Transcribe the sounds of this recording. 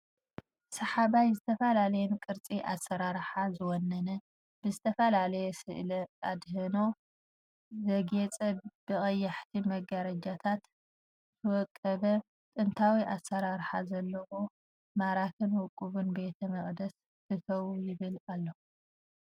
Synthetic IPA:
sɨħaβajzɨt̪ʰɐfɐlalɐjɛnkʼɨɾt͡sʼiʔasːɐɾaɾħazɨwɔnːɐnɐ | b̥ɨzɨt̪ʰɐfɐlalɐjɛsɨ̰ʔlɐad̪hɨno̞ | zɐɡet͡sʼɐb̥ɨɣʼɐjːɐħt̪ʰimɐɡɐɾɐd͡ʒat̪ʰat̪ | t̪ʰɐwɔkʼːɐβɐ | t̪ʼɨnt̪ʰawiʔasɐɾaɾħazɐlːɐwo | maɾakʰɨnwɔkʼːuβunbe̞t̪ʰɐmɐχʼd̪ɐs | kɨt̪ʰɐwujɪβɨlalːɐu

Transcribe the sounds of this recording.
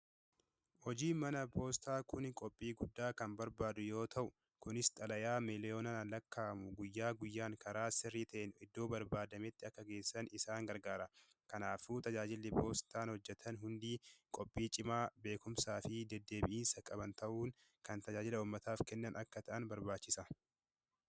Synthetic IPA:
hɔd͡ʒiːmɐnɐpʰo̞ːst̪aːkʊnkʼɔpʼːiːɡʊd̪ːaːkɐnbɐɾbaːd̪ʊjo̞ːt̪ʰɐʔʊ | kʊnɪst̪ʼɐlɐjaːmɪlɪoːnɐlɐkːaːmʊɡʊjːaːɡʊjːaːŋkʰɐɾaːsɪrːiːt̪ɐʔɛnɪd̪ːo̞ːbɐɾbaːd̪ɐmɛt̪ːɪɐkːɐɡe̞ːsːɐnɪsaːŋɡɐɾɡaːɾɐ | kɐnaːfuːt̪ɐd͡ʒaːd͡ʒɪlːɪpʰo̞ːst̪aːnhɔd͡ʒːɛt̪ʰɐnɦʊnd̪iːkʼɔpʼːiːt͡ʃʼɪmaːbe̞ːkʊmsaːfɪd̪ɛd̪ːe̞ːbɪʔiːnsɐkʼɐbɐnt̪ʰɐʔuːŋ | kɐnt̪ɐd͡ʒaːd͡ʒɪlɐuːmːɐt̪aːfkɛnːɐnʔɐkːɐt̪ɐʔɐnbɐɾbaːt͡ʃːɪsɐ

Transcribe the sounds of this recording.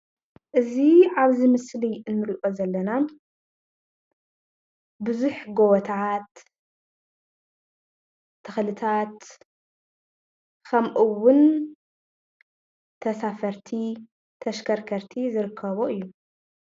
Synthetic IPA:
ʔɨziʕaβzimɨsliɨnːɨɾiʔozɐlːɐna | bɨzuħɡowɔt̪ʰat̪ | ɨxlɨt̪ʰat̪ | kʰɐmʔɨwʊn | t̪ʰɐsafɐɾt̪ʰi | t̪ʰɐʃkʰɐɾkʰɐɾt̪ʰizɨɾɨkʰːɐβoʔɨjːu

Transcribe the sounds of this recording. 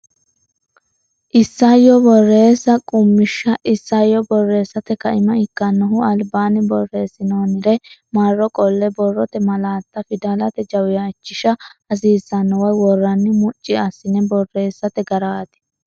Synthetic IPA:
ʔɪsːajɔbɔrːe̞ːsːɐkʼʊmːɪʃːɐʔɪsːajɔbɔrːe̞ːsːɐt̪ɛkɐɪmɐɪkːɐnːɔɦʊɐlbaːnɪbɔrːe̞ːsɪnoːnɪɾɛmarːɔkʼɔlːɛbɔrːɔt̪ɛmɐlaːt̪ːɐfɪd̪alɐt̪ɛd͡ʒɐwɪjaːt͡ʃːɪʃɐɐs̬iːsːɐnːɔwɐjwɔrːɐnːɪmʊt͡ʃʼːɪɐsːɪnɛbɔrːe̞ːsːɐt̪ɛɡɐɾaːt̪ɪ̥

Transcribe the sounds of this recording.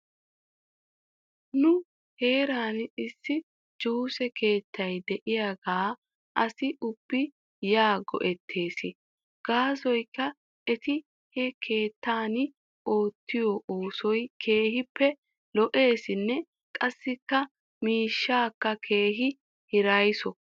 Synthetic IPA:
nʊ | he̞ːɾaːnɪsːɪ | d͡ʒuːsɛkʰe̞ːt̪ːɐjd̪ɛʔɪjaɡaː | ʔɐsɪʔʊbːɪ | jaːɡɔ̰ʔɛt̪ʰːe̞ːsɪ | ɡ̥aːsɔjkːɐ | ɛt̪ɪ | hɛkʰe̞ːt̪ːaːn | o̞ːt̪ʰːɪjɔʔoːsɔjkʰe̞ːhɪpːɛ | lɔʔe̞ːsɪnːɛ | kʼɐsːɪkːɐ | miːʃːaːkːɐkʰe̞ːɦɪ | hɪɾɐjsɔ

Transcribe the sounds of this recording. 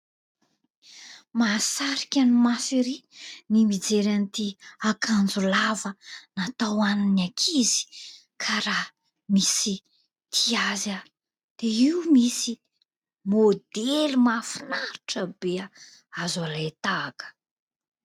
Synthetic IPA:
masaɾi̥kʲanimasiɾinimid͡zeɾanit̪iakʰand͡zulavənat̪awaninakʰizi̥ | kʰaɾa | misi | t̪ʰiaza | d̪̥eiwmisi | mod̪elumafinaɾiʈ͡ʂəbea | azalat̪aːkə̥

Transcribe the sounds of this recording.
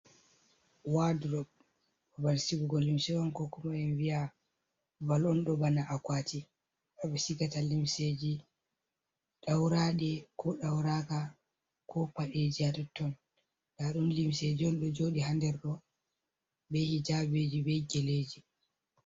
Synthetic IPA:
wadɾɔb | ɔbansiɡuɡɔlːimsɛwɔnkɔkɔmaɛnvia | valɔnɗɔbanaʔakwati | ɗɔɓɛsikatalimsed͡ʒi | ɗawɾaɗɛkʰɔɗawɾaka | kɔpaɗed͡ʒiatɔtːɔn | ɗaɗumlimsed͡ʒiɔnɗɔd͡ʒoːɗiɦandɛɾɗɔ | bɛhid͡ʒabed͡ʒibɛɡɛleːd͡ʒi

